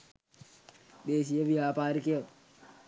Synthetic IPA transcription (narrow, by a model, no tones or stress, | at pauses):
d̪eːsijɐʋijaːpaːɾikejɐ